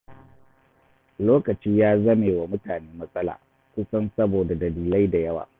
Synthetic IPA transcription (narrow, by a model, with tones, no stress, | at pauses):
loː˦kɐ˨t͡ʃiː˦jaː˦zɐ˦meː˨wa˨mʊ˦taː˨neː˦mɐ˦sʼɐ˦la̰ː˨ | kʷʊ˦sɐ˦nsɐ˦boː˨da˨dɐ˨liː˨la˦jda˨jɐ˦wa̰ː˨